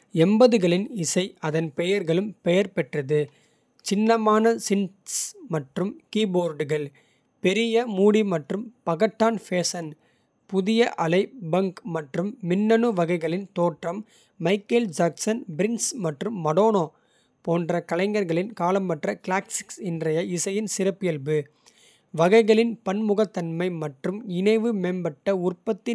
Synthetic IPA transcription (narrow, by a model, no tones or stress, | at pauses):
ɛmbɐðɯɣɐɭɪnɪsɐɪɐðɐnpɛjɐɾɣɐɭɯmpɛjɐɾpɛʈrɐðɯ | t͡ʃɪnːɐmaːnɐsɪn | smɐʈrɯmkiːboːɾɖɯɣɐɭ | pɛɾɪjɐmuːɽimɐʈrɯmpɐɣɐʈːaːnfeːsɐn | pʊðɪjɐʔɐlɐɪbɐŋkmɐʈrɯmːɪnːɐnɯʋɐɣɐɪɣɐɭɪnt̪oːʈrɐmː | ɐɪkɐld͡ʒaːksɐnbɪɾɪnsmɐʈrɯmːɐɽoːnoː | poːndrɐkɐlɐɪŋɡɐɾɣɐɭɪnkaːlɐmpɐʈrɐkɪlaːksɪ̥ksɪndrɐjɐɪsɐjɪnsɪrɐpːɪjɐlbɯ | ʋɐɣɐɪɣɐɭɪnpɐnmʊɣɐt̪ːɐnmɐɪmɐʈrɯmɪnɐɪʋɯmeːnbɐʈːɐʊrpɐt̪ːɪ